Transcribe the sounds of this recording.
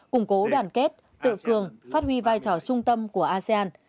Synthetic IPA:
kʊ˨˧˩ŋ͡mko˨˦ɗwaː˨˩nke˦˥t̚ | t̪ɨ̰˧˨kɨ˨˩əŋfaː˦˥t̚hwi˧vaː˧jt͡ɕɔ˧˩t͡ɕʊ˧ŋ͡mt̪ə˧mku˧˩əʔaː˧se˧ʔaː˧n

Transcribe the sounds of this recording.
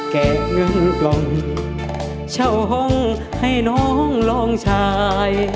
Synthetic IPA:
kɛː˨˩t̪̚ŋɯ˧˩˨ŋ˧lɔ˧˩ŋi˧˩ | t͡ɕʰa˧˩wɦɔ˧˥˩ŋ | ha˧˩jnɔː˧˥hɔ˧˥˨ŋlɔː˧˩ŋt͡ɕʰaː˧j

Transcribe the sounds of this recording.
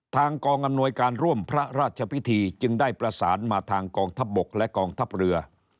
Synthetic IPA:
t̪ʰaː˧ŋkɔː˧ŋʔa˧mnu˧əjkaː˧nɾu˥˩əmpʰɾa˦˥ɾaː˥˩t̪̚t͡ɕʰa˧pʰi˦˥t̪ʰiː˧t͡ɕɯ˧ŋdaː˥˩jpɾa˧sa̰ː˩˦nmaː˧t̪ʰaː˧ŋkɔː˧ŋt̪ʰa˦˥p̚bo˨˩k̚lɛ˦˥kɔː˧ŋt̪ʰa˦˥p̚ɾɯ˧ɐ

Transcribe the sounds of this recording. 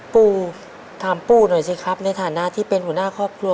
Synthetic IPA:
puː˥˩ | t̪ʰaː˨˩˦mpuː˥˩nu˨˩jsi˧˥˩kʰa˦˥p̚na˧jt̪ʰaː˨˩˦na˦˥ʔt̪ʰiː˥˩pe˧nhu˩˦naː˥˩kʰɔː˥˩p̚kʰlu˧

